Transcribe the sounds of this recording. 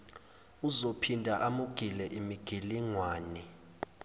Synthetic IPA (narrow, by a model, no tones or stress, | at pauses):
uzopʰindʱaʔamuɡ̥ʱilɛʔimiɡ̥ʱiliŋwaːni